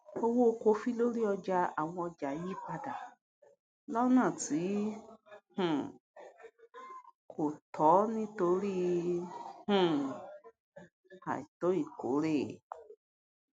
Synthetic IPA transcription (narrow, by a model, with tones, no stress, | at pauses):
o˧wo˦o˧ko˧fi˦lo˦ɾi˦ɔ˧d͡ʒa˧a˨w̃ɔ̃˧ɔ˧d͡ʒa˨˦ji˦pa˧da˨ | lɔ˦nã˦˨ti˨˦ | hũ˨ | kʰo˨tʰɔ˨˦nĩ˦to˧˦ɾi˦ | hũ˦˨ | ha̰˨i˨to˨˦i˨ko̰˨˦ɾe˦˨